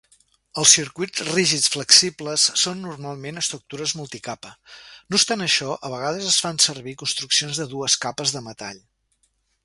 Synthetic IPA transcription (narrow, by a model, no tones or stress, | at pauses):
əlˠsiɾkujt͡sriʒit͡sfləksipləsːonːurmalˠmenəst̪ɾuk̚t̪uɾəzmulˠt̪ikapənust̪anəʃɔʔəβ̞əɣ̞aðəzəsfansəɾβikunst̪ɾuksionzðəðuəskapəzðəmət̪a̰ʎ